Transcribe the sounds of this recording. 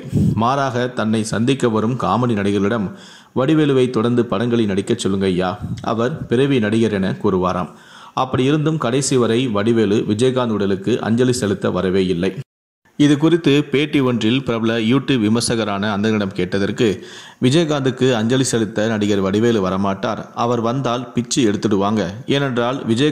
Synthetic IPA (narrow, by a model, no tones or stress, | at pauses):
maːɾaːɣɐt̪ɐnːɐɪsɐnd̪ɪkːɐʋɐɾɯmkaːmɐninɐɽɪɣɐɭɪɽɐm | ʋɐɽɪʋeːlɯʋɐɪt̪ːɔɽɐɾnd̪ɯpɐɽɐŋɡɐɭɪnɐɽɪkːɐt͡ʃːɔlːɯŋɡɐjaːʔɐ̰ʋɐɾpɪɾɐʋinɐɽɪɣɐɾɛnɐkuːɾɯʋaːɾa̰ːm | ɐpːɐɽɪjɪɾɯnd̪ɯmkɐɽɐɪsɪʋɐɾɐɪʋɐɽɪʋeːlɯʋɪd͡ʒɐjɐɣaːnd̪ɯɽɐlɯkːɯʔɐ̰ɲd͡ʒɐlɪsɛlɯt̪ːɐʋɐɾɐʋeːjɪlːɐɪ | ɪðɯkʊrɪt̪ːɯpeːʈːiʋɔndrɪlpɪɾɐbɯlɐjuːʈːɯʋɪmɐɾsɐɣɐɾaːnɐːnd̪ɐnɪɽɐmkeːʈːɐðɐrkɯʋɪd͡ʒɐjɐɣaːnd̪ɯkːɯɐɲd͡ʒɐlɪsɛlɯt̪ːɐnɐɽɪɣɐɾʋɐɽɪʋeːlɯʋɐɾɐmaːʈːa̰ːɾɐʋɐɾʋɐnd̪aːlpɪt͡ʃːɯɛɽɯt̪ːɯɽɯʋaːŋɡɐeːnɛndraːlʋɪd͡ʒɐ